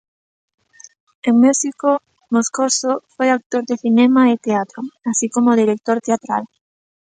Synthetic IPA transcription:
eŋmusiko | moskosofojak̚t̪oɾðeθinemaɪt̪eat̪ɾoasikomoðiɾek̚t̪oɾt̪eat̪ɾa̰l

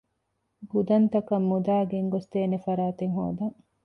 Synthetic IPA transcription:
ɡud̪ɐnt̪ɐkɐmːud̪aːɡeŋɡost̪eːnefɐɾaːt̪eŋɦo̰ːd̪ɐŋ

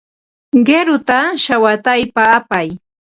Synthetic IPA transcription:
ɢeɾʊt̪aʃawat̪ajpaːpaj

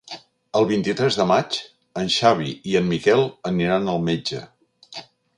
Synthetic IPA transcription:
əlˠβint̪it̪ɾɛzðəmat͡ʃ | ənʲʃaβ̞iiənmikɛlˠəniɾanəlˠmed͡ʒə̰

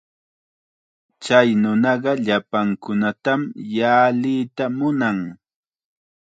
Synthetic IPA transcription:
t͡ʃajnʊnɑɢɑʎapaŋkʊnat̪amjaːlɪːt̪amʊnaŋ

